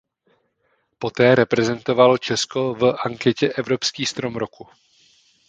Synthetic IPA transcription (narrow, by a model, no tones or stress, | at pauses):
po̞t̪ɛːɾɛpɾɛzɛnt̪o̞valo̞t͡ʃɛsko̞vʔaŋkɛcɛʔɛvɾo̞pskiːst̪ɾo̞mɾo̞ku